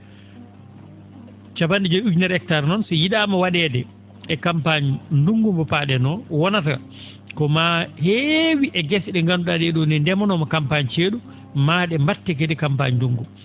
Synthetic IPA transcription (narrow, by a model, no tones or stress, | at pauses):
t͡ʃapandid͡ʒɔjud͡ʒnɛɾɛk̚taɾnɔnsijiɗamawaɗɛdɛ | ɛkampaɲinduŋɡumbɔpaɗɛnɔwɔnata | kɔmahewiʔɛɡɛsiɗɛŋɡanuɗadɛɗunɛndɛmɔnɔmakampaɲt͡ʃeɗu | maɗɛmbatːɛk̬edɛkampaɲinduŋɡum